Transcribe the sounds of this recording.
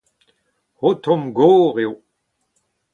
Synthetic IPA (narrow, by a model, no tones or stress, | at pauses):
hot̪ɔ̃mɡoːʁeo